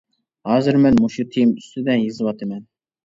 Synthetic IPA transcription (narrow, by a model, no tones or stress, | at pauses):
hɑːzɨɾmɛnmuʃut̪ʰijimyst̪ɪd̪ɛnjɨzɨwɑt̪ʰɨmɛn